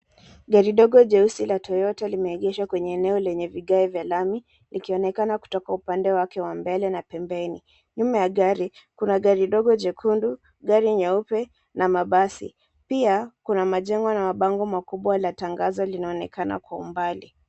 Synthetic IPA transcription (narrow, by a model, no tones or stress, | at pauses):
ɡaɾiɗɔɡɔʄɛusilatʰɔjɔtalimɛːɠɛʃwakwɛɲɛːnɛɔlɛɲɛviɠaɛvjalami | likiɔnɛkanaku̥tɔkaupandɛwakɛwambɛlɛnapɛmbɛni | ɲumajaɠaɾikunaɠaɾiɗɔɡɔd͡ʒɛkʰundu | ɡaɾiɲaupɛ | namaɓasḭ | piakunamaʄɛŋɡɔnamaɓaŋɡɔmakuɓwalataŋɡazɔlinaɔnɛkʰana̰kwaṵmbali